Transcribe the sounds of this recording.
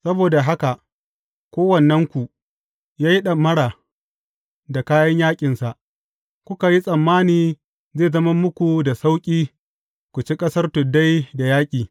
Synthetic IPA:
sɐ˦boː˨da˨ɦa˦ka˨ʔ | kʷoː˦wɐ˨nːɐ˦ŋkʷu˨ʔ | jaː˦ji˦ɗɐ˨mɐ˦ɽaː˨ | da˨kaː˦jɐ˦ɲjaː˦kʲʼɪ˨nsa˨ʔ | kʷʊ˦ka˨ji˦sʼɐ˨mːaː˦niː˦ | zeː˦˨zɐ˦ma˦mʊ˦kʷu˨da˨sa˦wkʲʼiː˦ | kʷu˨t͡ʃi˦kʼɐ˦sɐ˦rtʊ˨da˦jda˨jaː˦kʲʼiː˨

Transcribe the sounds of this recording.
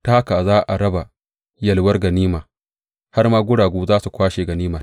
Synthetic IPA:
taː˦kaː˨zaː˦ʔa˨ɾɐ˦ba˨ | jɐ˨lwɐ˦rɡɐ˨niː˦maː˨ | ha˦rmaː˦ɡʷʊ˦ɽaː˨ɡʷuː˦zaː˦su˨kʷaː˦ʃeː˨ɡɐ˨niː˦mɐ˨r

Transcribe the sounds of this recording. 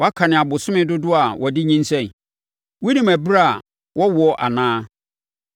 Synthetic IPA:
wɔ˦a˦kʰa˨nɪ̃˨a˨bʊ˨sʊ˦mɪ̃˦dʊ˦dʊ˦a˨wʔɔ˨dɪ˦ɲĩ˦n̩˦sɛ̃˦˨n˨ | wu˦nĩ˨mæ˨bɾa˦a˨ | wʔɔ˦wɔ˦ʔa̰˨nãː˦

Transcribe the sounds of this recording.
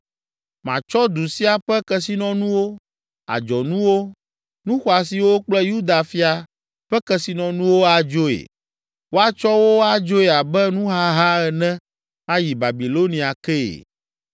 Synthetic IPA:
mã̰˨t͡ʃɔ˦d̪u˨si˦a˨ɸɛ˦kɛ˦si˦nɔ̃˦nũ˦wo˦ | a̰˨d͡ʒɔ˨nũ˦wo˦ | nũ˦xɔ˨a˨si˨wo˦k͡plɛ˦ju˦d̪a˨fi˦a˨ | ɸɛ˦kɛ˨si˨nɔ̃˨nũ˦wo˦a˨d͡ʒo˦ḛ˨ | wo˦a˦t͡ʃɔ˦wo˦a˨d͡ʒo˦e˨a˨bɛ˦nũ˦ɦa˦ɦa˦ɛ˨nɛ̃˦ | a˦ji˨ba˨bi˨lo˦nĩ˨a˨kɛ˦˨ḛ˨

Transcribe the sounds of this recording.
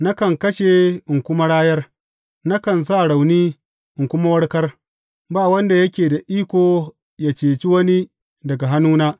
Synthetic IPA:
na˦kɐ˨ŋkɐ˦ʃe˨ɪ˨ŋkʷʊ˦ma˦ɽaː˦jɐ˦r | na˦kɐ˨ns̬a˦˨ɽa˨wniː˦ | ʔɪ˨ŋkʷʊ˦ma˦wɐ˦ɽkɐ˦r | baː˦˨wɐ˦nda˨jɐ˦kʲeː˨da˨ʔiː˦kʷoː˨ | jaː˨t͡ʃeː˨t͡ʃi˦wɐ˦ni˦ | dɐ˨ɡa˨ɦa˦nuː˦naː˦

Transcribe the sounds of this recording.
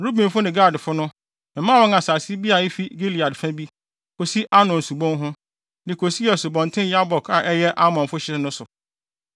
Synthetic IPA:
ɾu˦bĩ˨mfʊ˦nɪ̃˨ɡaː˦˨dfʊ˦nʊ̃˦ | m̩˨mã˦wɔ̃˦ŋa˨saː˨sɪ˦bi˦a˨i˦fi˦ɡe˦li˨a˨dfã˦bi˦ | kʰo˨si˦ʔa˦nʊ̃˨n̩˨su˨bɔ̃˦nɦʊ̃˦ | dɪ̃˨kʰo˨si˦ɛ˨sʊ˨bɔ̃˨n˨tʰɪ̃˦n˦ja˦bɔ˨kʰa˨ʔɛ˦jɛ˦ʔa˦mɔ̃˨fʊ˦ɕɪ˦nʊ̃˦sʊ˨

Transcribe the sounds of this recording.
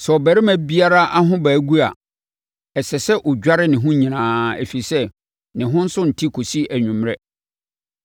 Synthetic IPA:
sɛ˨ɔ˨bæ˨ɾɪ˦mæ̃˦bi˦a˦ɾa˦ʔa˦ɦʊ̃˦bæː˨˦ɡu˦a̰˨ | ɛ˨sɛ˨sɛ˦ʔɔ˨d͡ʑᶣa˦ɾɪ˦nɪ̃˨ɦʊ̃˦ɲĩ˨nãː˦æ̰˨fi˨sɛ˦ | nɪ̃˨ɦʊ̃˦n̩˦sʊ˦n̩˨tʰi˦kʰo˨si˦æ˨ɲᶣũ˨mɾɛ˦

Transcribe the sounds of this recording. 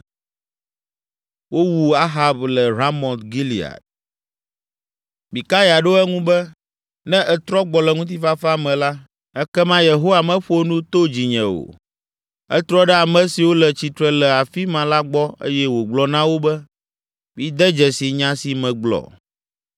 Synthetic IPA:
wo˦wu˨a˦ɦa˦blɛ˨ɾa˦mɔ̃˨t̪ɡi˦li˨a̰˨t̪̚ | mi˨ka˦ja˨ɖo˦ɛ˦ŋũ˦bɛ˦ | nɛ̃˦ʔɛ˨t̪ɾɔ˦ɡ͡bɔ˨lɛ˨ŋũ˦t̪̬i˦fa˦fa˦mɛ̃˨la˦ | ɛ˦kɛ˦mã˦je˨ɦo˦wa˨mɛ̃˦ɸo˦nũ˦t̪o˦d͡ʑi˨ɲɛ̃˨o̰˨ | ɛ̰˦t̪ɾɔ˦ɖɛ˦a˨mɛ̃˦si˨wo˦lɛ˨t͡ɕi˨t̪ɾɛ˨lɛ˨a˨fi˦mã˨la˦ɡ͡bɔ˦ḛ˦jɛ˦wo˨ɡ͡blɔ˨nã˦wo˦bɛ˦ | mi˦d̪ɛ˦d͡ʒɛ˨si˨ɲã˦si˨mɛ̃˨ɡ͡blɔ̰˨

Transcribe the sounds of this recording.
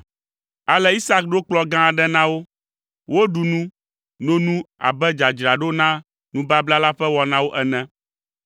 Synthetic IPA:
a˨lɛ˦i˦sa˦k̚ɖo˦k͡plɔ˦ɡã˦˨ɖɛ˦nã˦wo˦ | wo˦ɖu˨nũ˦ | nõ˦nũ˦a̰˨bɛ˦d͡ʒa˨d͡ʒɾa˨ɖo˦nã˦ | nũ˦ba˦bla˦la˦ɸɛ˦wɔ˨nã˦wo˦ʔɛ˨nɛ̃˦

